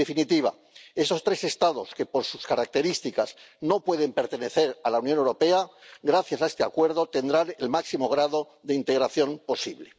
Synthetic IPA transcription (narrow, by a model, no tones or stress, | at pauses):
efinit̪iβa̰ | e̞so̞st̪ɾe̞se̞st̪aðo̞ske̞po̞ɾsuskaɾak̚t̪e̞ɾist̪ikazno̞pwe̞ð̞e̞mpe̞ɾt̪e̞ne̞θe̞ɾalawnjo̞ne̞wɾo̞pe̞aɣɾaθjasaest̪ea̰kwe̞ɾðo̞t̪e̞nd̪ɾane̞lmaksimo̞ɣ̞ɾaðo̞ | ðeint̪e̞ɣ̞ɾaθjo̞mpo̞sḭβle̞